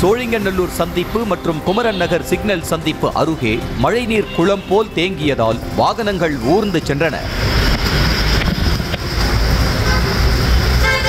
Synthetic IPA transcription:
soːɻɪŋɡɐnːɐlːuːɾsɐnd̪ɪpːɯmɐʈrɯmkʊmɐɾɐnːɐɣɐɾsɪɡnɐlsɐnd̪ɪpːɯʔɐ̰ɾɯɣeːmɐɻɐɪniːɾkʊɭɐmpoːlt̪eːŋɡɪjɐða̰ːl | ʋaːɣɐnɐŋɡɐɭuːɾnd̪ɯt͡ʃːɛndrɐnɐ̰

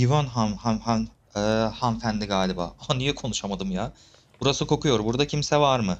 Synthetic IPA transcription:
ivanɦamhamhan | ɛːhanfænd̪iɡaːlʲiba̰ːanijɛkʰonuʃamad̪ɯmjaː | buɾasɯkʰo̞kujo̞ɾbuɾd̪acʰimsɛvaɾmɯ

